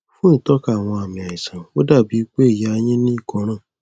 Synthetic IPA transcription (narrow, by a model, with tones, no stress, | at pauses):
fũ˦ĩ˦˨tɔ˦ka˦˨w̃ɔ̃˧a˨mĩ˨a˨i˨sã˨o˦da˦˨bi˨˦k͡pe˦e˦˨ja˨a˧jĩ˦nĩ˦i˦˨kɔ̃˨˧˦ɾ̃ãː˦˨